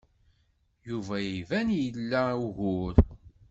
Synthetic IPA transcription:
juvæjivænjəlːæuɣʊɾ

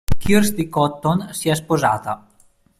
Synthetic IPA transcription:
kirsd̪ikɔt̪ːonsias̬pozaːt̪a

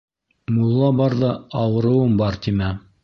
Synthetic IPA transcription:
mulˠːɑbɑɾðɑɑwɤ̆ɾɤ̆wɤmbɑɾt̪imæ

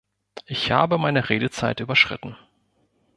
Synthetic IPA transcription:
ʔɪçha̰ːbəmaɪnəʁeːdət͡saɪtʔyːbɐʃʁ̥ɪ̰tn̩

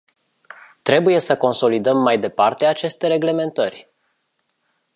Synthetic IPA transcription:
t̪ɾe̞buje̞səko̞nso̞lid̪əmːajd̪e̞part̪e̞at͡ʃe̞st̪e̞ɾe̞ɡle̞me̞nt̪ərʲ

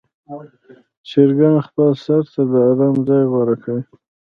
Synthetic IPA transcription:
t͡ʃeɾɡanxpəlsaɾt̪ad̪əːd̪amzɑjɣwaɾakʰawi

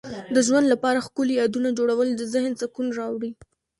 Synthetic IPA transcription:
d̪əʒwand̪lapɑɾaxkʊljɑd̪unad͡ʒoɽawəld̪əzɪhnzakunɾɑwɽi

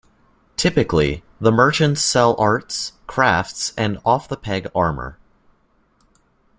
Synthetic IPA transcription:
tʰɪpɨklḭ | ðəmɜ˞t͡ʃɨ̃ntsɛlˠʔɑɹtskʰɹ̥æftsɨ̃nɔfðəpʰɛɡɑɹmə̰˞

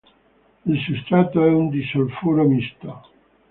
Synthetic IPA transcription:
ilsust̪ɾat̪aɛund̪isalfoɾamist̪a

